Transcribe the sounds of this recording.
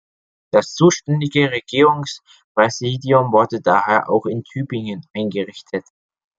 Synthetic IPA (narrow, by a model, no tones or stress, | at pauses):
d̥ast͡suːʃtɛndɪɡəʁeɡiːʁʊŋs | pʁ̥ɛziːdiʊmvʊɐdədaːheːɐʔa̰ʊxɪntʰyːbɪŋənʔaɪnɡəʁɪçtʰət